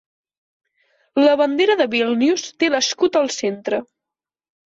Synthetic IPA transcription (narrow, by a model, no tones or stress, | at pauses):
ləβənd̪eɾəðəβilˠniust̪eləskut̪əlˠsent̪ɾə